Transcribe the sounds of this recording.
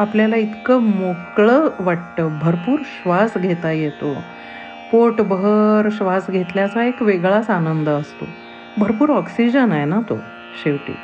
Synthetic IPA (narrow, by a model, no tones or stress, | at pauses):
apljalait̪kəmokɭəʋaʈt̪əːbʱəɾpuːɾɕʋasɡʱet̪ajet̪o̰ | poʈbəɾɕʋasɡʱet̪ljat͡saekʋeɡɭat͡sanənd̪əəst̪o̰ | bʱəɾpuːɾɔksid͡ʑənajnat̪o̰ | ɕeʋʈḭː